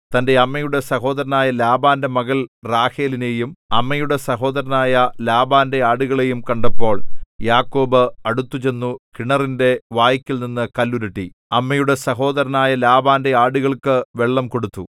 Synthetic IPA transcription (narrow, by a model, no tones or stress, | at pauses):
t̪ɐnde̞ɐmːɐjuɽe̞sɐho̞ːd̪ɐɾɐnaːjɐlaːbaːnde̞mɐɣɐlraːhe̞ːline̞jumɐ̰mːɐjuɽe̞sɐɦo̞ːd̪ɐɾɐnaːjɐlaːbaːnde̞aːɽuɣɐɭe̞jumkɐɳɖɐpːo̞ːɭjaːkːo̞ːbɨɐɽut̪ːut͡ɕe̞nːukiɳɐrinde̞ʋaːjɐkʲːilninːɨkɐlːuɾɐʈːi | ɐmːɐjuɽe̞sɐɦo̞ːd̪ɐɾɐnaːjɐlaːbaːnde̞aːɽuɣɐɭkɨʋe̞ɭːɐmko̞ɽut̪ːu